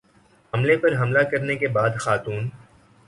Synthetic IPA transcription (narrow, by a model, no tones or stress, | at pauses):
ɦɐmlepɐɾɦɐmlakɐɾnekebaːd̪xaːt̪uːn